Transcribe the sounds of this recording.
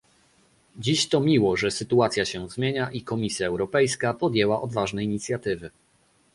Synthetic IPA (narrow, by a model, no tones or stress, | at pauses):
d͡ʑiɕt̪ɔmʲiwɔʐɛsɘt̪uat̪sʲjaɕɛzmʲjeɲaʔikɔmʲisʲjaɛwɾɔpɛjskapɔd̪jɛwaʔɔd̪vaʐnɛiɲit̪sʲjat̪ɘvɘ